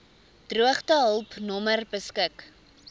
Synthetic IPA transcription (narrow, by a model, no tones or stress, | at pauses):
d̥ruəχtəɦəlˠpnɔmərbəskək